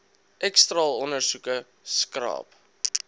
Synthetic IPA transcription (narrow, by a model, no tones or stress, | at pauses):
ʔɛkstrɑːlɔnərsukə | skrɑ̰ːp